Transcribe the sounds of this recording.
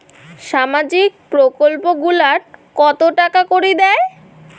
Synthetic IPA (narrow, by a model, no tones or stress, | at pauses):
ʃamad͡ʑik̚pɾokolpoɡulaɾkɔt̪oʈakakoɾid̪ɛe